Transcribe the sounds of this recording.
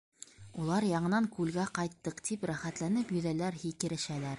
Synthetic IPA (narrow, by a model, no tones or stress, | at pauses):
ulˠɑɾjɑɴɤ̆nɑŋkʉlɡæqɑjt̪ːɤqt̪ʰipɾæχæt̪lænɘpjɵ̆ðælæɾɦikɘ̆ɾɘ̆ʃælæɾ